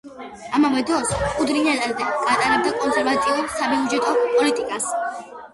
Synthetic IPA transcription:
amavɛd̪ɾɔskʼud̪ɾinat̪ʼald̪ɛɡ̥at̪ʼaɾɛb̚d̪akʼɔnsɛɾvat̪ʼiuɾsabiud͡ʒɛt̪ʼɔpʼɔlit̪ʼikʼas

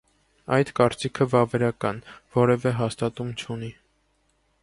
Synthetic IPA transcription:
ɑjd̪kɑɾt͡sikʰəvɑvɛɾɑkɑnvɔɾɛvɛɦɑst̪ɑt̪umt͡ʃʰuni

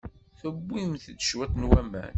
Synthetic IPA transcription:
θəbːimθd̪ʃwæt̪nwæmæ̰n

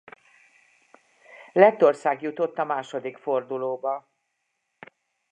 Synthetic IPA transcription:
lɛt̪ːo̞rsaːɡjut̪o̞t̪ːɒmaːʃo̞d̪ikfo̞rd̪uloːbɒ

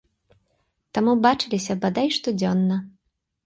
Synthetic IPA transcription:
t̪amubat͡ʂɨlʲisʲɐbad̪ajʂt̪ɔd͡zʲɔnːɐ

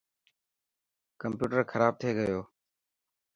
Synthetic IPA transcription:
kəmpjuːʈəɾkʰəɾaːb̚t̪ʰeːɡəjoː

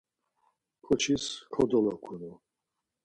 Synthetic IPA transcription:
kʰɔt͡ʃʰiskʰɔd̪ɔlɔkʰunu

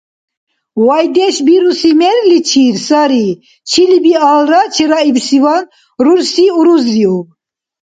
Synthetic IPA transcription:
wajd̪ɛʃbiɾusimɛɾlit͡ʃʰiɾsaɾi | t͡ʃʰilibiaːlɾat͡ʃʰiɾaibsivan | ruɾsiuɾuzɾiu

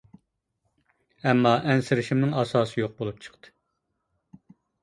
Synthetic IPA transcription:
ɛmːɑʔɛnsɪɾɪʃimnɪŋɑsɑːsɨjoq̚bolˠup̚t͡ʃʰə̥qt̪ʰɨ̥

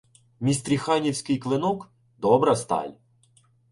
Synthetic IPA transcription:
mʲist̪ɾʲixɑnʲiwsʲkɪjklˠɪnɔk | d̪ɔbɾɐst̪ɑ̰lʲ

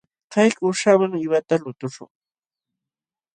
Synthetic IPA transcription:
kɑjkʊʃawaŋɪwat̪alʊt̪ʊʃʊ̰ŋ

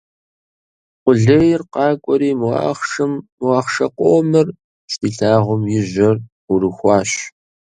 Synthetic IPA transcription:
qʷʊɮɐjɪrqɑːkʷʼɔɾiːmɑ̰χʂɨmːwɑːχʂɐqʷoːmɐr | ɕtʰiːɬaːʁʷʊmjɪʑɐr | ʊɾɨxʷɑːɕ

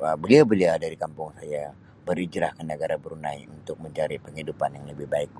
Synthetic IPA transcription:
əbəliawbəliadaɾikampʊŋsaja | bəɾid͡ʒɾahkənəɡaɾabəɾuna̰iunt̪ʊk̚məɲt͡ʃaɾipəŋhidupanjaŋləbɪhbaɪk̚

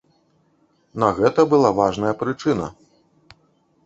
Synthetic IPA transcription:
nɐɣɛt̪ɐbɨlˠavaʐnɐjɐpɾɨt͡ʂɨnɐ̰

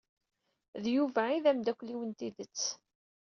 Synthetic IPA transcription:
ðjuvæiðæmd̪ækʷliwənt̪iðət͡sː

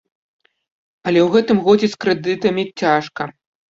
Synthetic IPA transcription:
ɐlʲɛwɣɛt̪ɨmɣɔd͡zʲɛskɾɨd̪ɨt̪ɐmʲit͡sʲaʂkɐ

